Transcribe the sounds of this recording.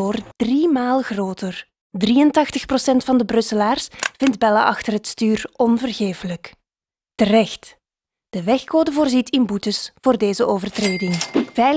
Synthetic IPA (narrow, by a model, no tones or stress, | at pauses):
oːrd̥rimaːlˠɣroːtər | driːəntɑxtəxprosɛntfɑndəbrɵsəlaːrsv̥ɪndbɛla̰ʔɑxtərɦətstyːrɔnvərɣeːfələk | tərɛxt | d̥əʋɛxkoːdəvoːrzitʰɪmbutəsvoːrdeːzəʔoːvərtreːdɪŋvɛj